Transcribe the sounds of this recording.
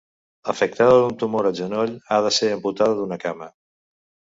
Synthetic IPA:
əfək̚t̪aðəðunt̪umoɾəʒənoʎaðəseəmput̪aðəðunəkamə

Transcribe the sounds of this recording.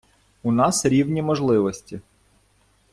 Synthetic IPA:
unɑsɾʲiwnʲimɔʒlˠɪʋɔsʲtʲi

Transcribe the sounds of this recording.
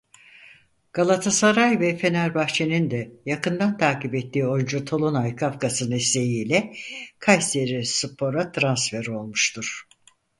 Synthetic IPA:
ɡ̥alˠat̪ʰasaɾajvɛfe̞naɾbaxt͡ʃʰe̞nind̪ɛjakɯnd̪ant̪ʰaːkipɛt̪ːiːo̞jund͡ʒut̪ʰo̞lˠonajkʰafkasɯnɛsejiːlʲɛkʰajseɾisɯpʰo̞ɾat̪ʰɾansfeɾo̞lˠmuʃt̪ʰuɾ̥

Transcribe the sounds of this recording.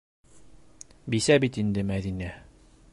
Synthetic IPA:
bisæbit̪ind̪ɘmæðinæ

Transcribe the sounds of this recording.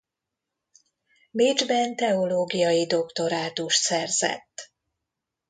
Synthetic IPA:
med͡ʒbɛnt̪ɛo̞loːɡijɒjid̪o̞kt̪o̞ɾaːt̪uʃt̪sɛrzɛ̰t̪ː

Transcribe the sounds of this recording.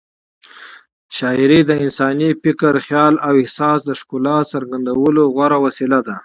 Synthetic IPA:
ʃɑɪɾid̪əɪnsɑnipɪkaɾxjɑlawɪhsɑsd̪əʂkulɑsaɾɡand̪awəloɣwaɾawasilad̪a

